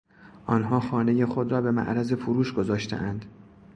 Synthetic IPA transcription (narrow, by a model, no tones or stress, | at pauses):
ʔɒnɦɒːxɒːne̞je̞xod̪ɾɒːbe̞mæ̰ʔɾæze̞fuɾuːʃɡozɒːʃt̪ʰḛʔænd̪̥